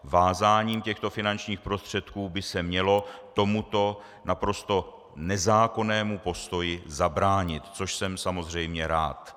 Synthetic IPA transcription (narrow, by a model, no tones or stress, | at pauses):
vaːzaːɲiːmcɛxt̪o̞fɪnant͡ʃɲiːxpɾo̞st̪r̝̥ɛt̪kuːbɪsɛmɲɛlo̞t̪o̞mut̪o̞ | napɾo̞st̪o̞ | nɛzaːko̞nɛːmupo̞st̪o̞jɪzabɾaːɲɪt̪t͡so̞ʃsɛmsamo̞zr̝ɛjmɲɛɾa̰ːt̪